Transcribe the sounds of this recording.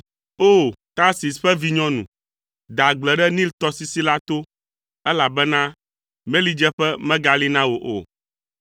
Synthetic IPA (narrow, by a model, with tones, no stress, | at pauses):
o˦˨t̪a˦si˨sɸɛ˦vi˦ɲɔ̃˦nṵ̃˨ | d̪a˨ɡ͡blɛ˨ɖɛ˦nĩ˦lt̪ɔ˦si˨si˦la˦t̪o˦ | ɛ˦la˨bɛ˦nã˦ | mẽ˦li˦d͡ʒɛ˦ɸɛ˦mɛ̃˦ɡa˦li˦nã˦wo˨ʔo˨